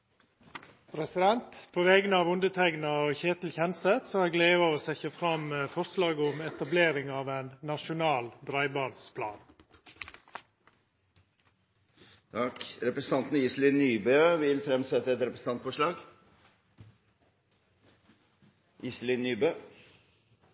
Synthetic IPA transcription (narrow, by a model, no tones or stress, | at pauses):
pʰɾɛsɪd̪ɛnt̪pʰoːʋɛɡənəɑːʋʊnd̪ət̪ʰɾɛɡnɑoːçeːt̪l̩çɛnsət̪sɔhæɡleːʋəoːsɛçəfɾɑməfɔɾslɑːɡəʊmɛt̪ɑbleːɾɪŋɑːʋenːɑʃʊnɑːld̪ɾɑɪbɑːnspʰlɑ̰ːn | t̪ʰɑkɾɛpɾəsn̩t̪ɑnt̪n̩iːslɪnːyːbøʋɪlfɾɛmsɛt̪ːəɛt̪ɾɛpɾəsn̩ɑnt̪fɔʂɭɑːɡ | ʔiːslɪnːyːbø